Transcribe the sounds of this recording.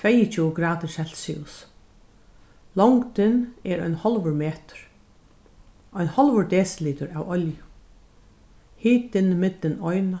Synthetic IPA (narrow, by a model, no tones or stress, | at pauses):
t̪ʰvɛjət͡ʃuːɡɾaːt̪ɪɹsɛl̥sḭs | lɔŋkt̪ɪnɛɾɔ̰jnhɔlʋəɹmeːt̪ə̥ɾ̥ | ɔjnhɔlʋəɹd̪eːsliːt̪ʊɹaːwɔljʊ | hiːt̪ɪnmɪt̪lɪnɔjna